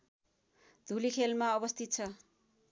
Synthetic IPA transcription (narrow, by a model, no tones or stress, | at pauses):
d̪̥ʱulikʰelmaʌbʌst̪ʰit̪̚t͡sʰʌ